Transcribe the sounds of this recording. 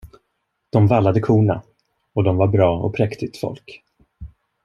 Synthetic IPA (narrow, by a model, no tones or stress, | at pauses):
d̪̥ɔmvalːad̪əkʰuːɳa̰ | ɔd̪ɔmvaɾbɾɑːɔ̰pʰɾɛkt̪ɪt̪fɔ̰lk